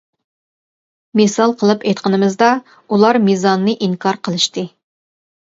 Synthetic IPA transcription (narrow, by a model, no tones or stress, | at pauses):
mesɑlˠqʰəlˠɨpejt̪qʰənɨmɨzd̪ɑ | ulˠɑɾmezɑnːɨʔiŋkʰɑɾqʰəlˠɨʃt̪ɨ